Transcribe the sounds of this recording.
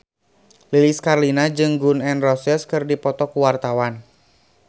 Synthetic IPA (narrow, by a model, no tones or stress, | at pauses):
liliskarlinad͡ʒɨŋɡunɛnrɔsɛskɨrdipɔt̪ɔkuwart̪awan